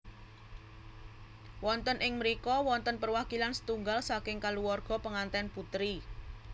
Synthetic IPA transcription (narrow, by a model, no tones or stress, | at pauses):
wɔnt̪ənʔɪŋməɾikɔwɔnt̪ənpərwakilansə̥t̪uŋɡalsakɪŋkaluwɔrɡ̥ɔ̤pəŋant̪ɛnput̪ɾi